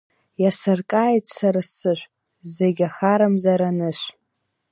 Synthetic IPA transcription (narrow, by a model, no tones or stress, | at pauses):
jasɨrkʼaːjtʼsaɾasɨʃʷ | zeɡʲaχaɾamzaɾanɨʃʷ